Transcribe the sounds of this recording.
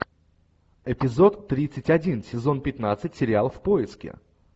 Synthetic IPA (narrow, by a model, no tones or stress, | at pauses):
ɪpʲɪzo̞t̪ːɾʲit̪sɨtʲɐdʲinsʲɪzo̞npʲɪt̪nat̪sɨtʲsʲɪɾʲɪalˠəfpo̞ɪskʲɪ̰